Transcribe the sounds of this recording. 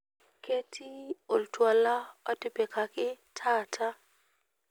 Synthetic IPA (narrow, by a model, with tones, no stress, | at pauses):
ke˦tʰi˦o˨ltwa˨la˦ɔ˦tɪ˦pɛ˨ka˨kɪ˦ | tʰa˦tʰa˦